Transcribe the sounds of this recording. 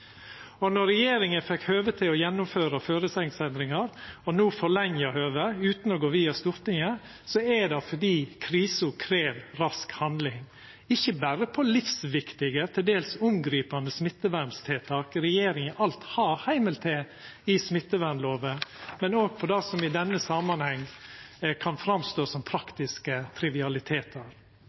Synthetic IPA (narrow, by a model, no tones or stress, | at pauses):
ɔnɔɾɛjeːɾɪŋəfɛkhøːʋət̪ʰɪɔjɛnːʊmføːɾɑføːɾəsɛŋsɛnd̪ɾɪŋɑɾɔnuːfɔɭɛŋːjəhøːʋəʉːt̪nɔɡoːʋiːɑst̪ʊɾt̪ɪŋə | sɔɛd̪ɑfɔɖiːkʰɾiːsʊkʰɾeːʋɾɑskhɑnd̪lɪŋ | ɪçːəbæɾəpʰɔlɪfsʋɪkt̪ɪɡət̪ʰɛld̪eːlsʊmɡɾiːpɑnd̪əsmɪt̪ːəʋæɾnst̪ʰeːt̪ʰɑːkɾɛjeːɾɪŋəʔɑlt̪hɑːhæɪməlt̪ʰeː | ɪsmɪt̪ːəʋæɾnloːʋəmɛnoːɡ̚pʰɔd̪ɑsɔmɪd̪ɛnːəsɑmɑnhɛŋː | kʰɑnfɾɑmst̪oːsɔmpʰɾɑkt̪ɪskət̪ʰɾɪʋɪɑlɪt̪ʰeːt̪ʰəɾ